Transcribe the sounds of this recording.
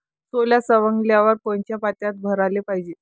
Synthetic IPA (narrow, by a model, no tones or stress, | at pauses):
soljasəʋəŋɡljaʋəɾpəɲt͡ɕjapat̪jat̪̚bʱəɾalepaɦid͡ʑe